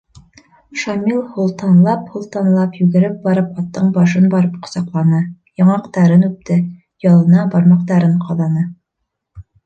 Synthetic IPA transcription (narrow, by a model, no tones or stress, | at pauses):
ʃɑmilˠhŭlˠt̪ɑnlˠɑphulˠt̪ɑnlˠɑpjʉɡɘ̆ɾɘp̚bɑɾɤpɑt̪ːɤɴbɑʃ̬ɤnbɑɾɤpqŏ̥sɑqlˠɑnɤ | jɑɴɑqt̪ɑɾɤnʉp̚t̪ɘ | jɑlˠɤ̆nɑbɑɾmɑqt̪ɑɾɤɴqʰɑðˠɑnɤ